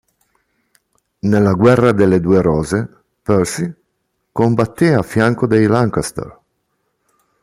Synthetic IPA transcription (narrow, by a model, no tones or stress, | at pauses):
nelːaɡwɛrːad̪elːed̪uːeɾɔːze | pøɾsi | kombat̪ːeafːjaŋkod̪ejlaŋkast̪ḛr